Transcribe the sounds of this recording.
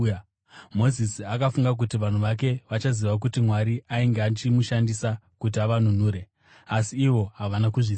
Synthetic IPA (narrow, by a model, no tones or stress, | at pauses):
mo̞zisiakafuŋɡak̬utiʋan̤uʋak̬e̞ʋat͡ʃaziʋak̬utimwaɾiʔaiŋɡeat͡ʃimuʃandisakut̬iaʋan̤un̤uːɾe̞ | asiːʋo̞ɦaʋanakuʐi